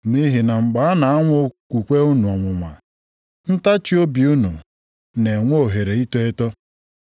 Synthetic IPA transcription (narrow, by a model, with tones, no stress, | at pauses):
ni˦ɦi˨na˨ŋ͡m̩˨ɡ͡ba˨a˦na˨a˦ŋʷ˦o˦kʷu˨kʷe˦u˦nu˨ɔ˨ŋʷʊ˨ŋʷa̰˨ | n̩˦ta˦t͡ʃi˦o˦bi˨u˦nu˨ | ne˨ŋʷo˦o˨ɦe˨ɾe˨i˦to˦e˦tɔ˦